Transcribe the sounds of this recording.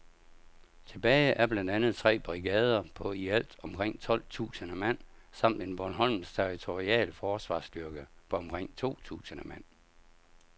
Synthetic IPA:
t͡sʰe̝b̥ɛːɪʔæɐb̥lænd̥ænð̞̩ˠt͡sʰʁɛ̰ːb̥ʁiɡ̥ɛːð̞ˠɐpʰɒ̽iæl̰d̥ɒ̽mkʰʁeŋ̰t͡sʰɒ̽l̰t͡sʰṵːsənəmæn̰sɑ̈m̰d̥e̝nb̥ɒnɦɒ̽lmn̩st͡sʰeʁit͡sʰo̝ʁiɛ̰ːlfɒːsʋɑ̈ːsd̥yɐɡ̥əpʰɒ̽ɒ̽mkʰʁeŋ̰t͡sʰo̝̰ːt͡sʰṵːsənəmæn̰

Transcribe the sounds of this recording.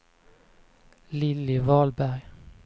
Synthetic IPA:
lɪlɪʋɑːlbæʁj

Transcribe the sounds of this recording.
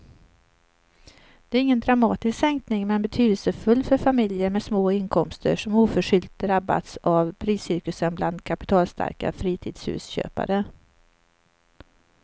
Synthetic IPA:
d̪̥ɛæɾɪŋːənd̪ɾamɑːt̪ɪsksɛŋknɪŋmɛnbɛt̪ʰyːd̪əlsəfɵlːfœɾfamɪljəɾmɛsmoːɪnkʰɔmst̪ə̰ʂɔmuːfœʂʏlt̪̚d̪ɾabːa̰t̪savpʰɾiːsʏɾkɵsənbland̪kʰapɪ̥t̪ʰɑːlst̪ʰa̰ɾka̰fɾiːt̪ʰiːd̪shʉ̰ːsɕø̰ːpa̰ɾə

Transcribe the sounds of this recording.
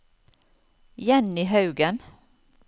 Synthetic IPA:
jɛnɪɦɑʉɡən

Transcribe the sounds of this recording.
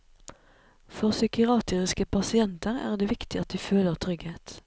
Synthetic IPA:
fɔʁsʏkɪɑːt̪ʰəʁɪskəpʰɑsɪɛnt̪əʁæ̰ːʁd̪eːʋɪkt̪ɪʔɑt̪̚d̪iːføːləʁt̪ʰʁʏɡheːt̪

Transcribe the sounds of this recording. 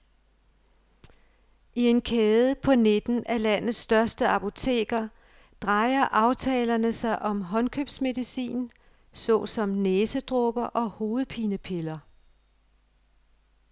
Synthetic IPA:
ie̝nkʰɛːð̞ˠəpʰɒ̽ned̥n̩ælæn̰ð̩ˠsːd̥ɶɐsd̥əɑpʰo̝t͡sʰe̝̰ːɡ̥ɐ | d̥ʁɑ̈ɪɐʔɑ̈ʊt͡sʰɛ̰ːlɐnəsɑ̈ɪʔɒ̽mɦɒ̽nkʰøb̥sme̝ðˠisḭːn | sɔ̽sɒ̽mneːsəd̥ʁɔb̥ɐʔɒ̽ho̝ːð̞̩ˠpʰiːnəpʰe̝lɐ

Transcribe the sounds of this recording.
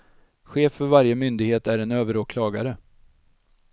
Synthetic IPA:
ɧeːfːœɾvaɾjəmʏnd̪ɪɡheːt̪æɾɛnøːvəɾoːkʰlɑːɡaɾə

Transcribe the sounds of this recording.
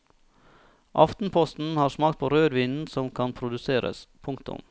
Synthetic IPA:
ʔɑft̪n̩pʰɔst̪n̩hɑːɾsmɑːkt̪̚pʰoːɾøːɾʋiːnn̩sɔmkʰɑnpʰɾʊd̪ʉseːɾə̰spʰʊŋkt̪ʊ̰m

